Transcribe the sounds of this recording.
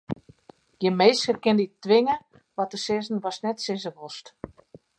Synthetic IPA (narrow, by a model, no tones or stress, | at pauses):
jəmeːsərkɪnditːʋɪŋə | ʋɔtəsɪzn̩ʋɔsnɛtsɪzəʋost